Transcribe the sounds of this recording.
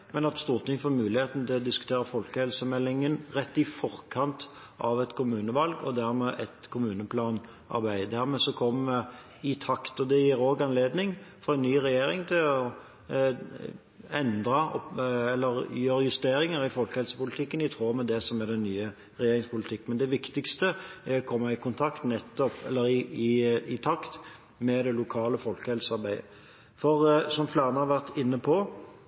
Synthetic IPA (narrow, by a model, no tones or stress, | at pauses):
mɛnɑt̪st̪uːʁt̪ʰɪŋːfɔmʉːlɪheːt̪nət̪ɪlɔd̪ɪskʉ̥t̪ʰeːɾəfɔlkəhɛlsəmɛlːɪŋənɾɛt̪ːɪfɔɾkʰɑnt̪ | ʔɑʋɛt̪kʰʊmʉːnəʋɑlɡɔ̰d̪æʁmɛʔɛt̪kʰʊmʉːnəpʰlɑːn | ɑ̰ɾbæɪd̪æʁmɛsɔkʰɔmːɛ | ɪt̪ʰɑkt̪ɔd̪ɛjiɾoːɡɑnleːd̪nɪŋfɔɾɛɪnnːyːʁɛjeːɾɪŋt̪ʰɪlɔ | ɛnd̪ɾɑɔ̰ɛlːəɾjøːɾəjʉst̪eːɾɪŋəɾɪfɔlkəhɛlsə̥pʊlɪt̪ʰɪkːənɪt̪ʰʁoːmɛd̪ɛsɔmæd̪ɛnnyːə | ʁɛjeːɾɪŋspʊlɪt̪ʰɪkːmɛnd̪ɛʋɪkt̪ɪkst̪əæɾɔkʰɔmːɑɪkʰʊnt̪ʰɑkt̪nɛt̪ːɔpɛlːəɾɪɪɪt̪ʰɑkt̪ | mɛd̪ɛlʊkʰɑːləfɔlkəhɛlsəɑɾbæɪə̰ | fɔʁsɔmflæːʁnəhɑʋæʁt̪ɪnːəpʰɔ